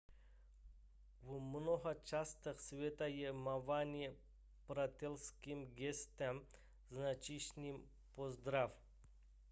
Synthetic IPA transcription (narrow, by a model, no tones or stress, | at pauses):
vumnoɦɐt͡ʃast̪əxsvʲet̪ajemavanʲi | pɾat̪ʲelˠskʲimɡʲest̪ɛm | znat͡ʃiʃnʲim | pozd̪ɾaf